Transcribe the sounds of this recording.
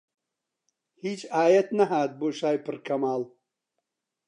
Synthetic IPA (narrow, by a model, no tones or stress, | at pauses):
hiːt͡ʃʰʼaːjɐt̪nɐɦaːt̪̚boːʃaːjpʰɨɾkʰɐmaːl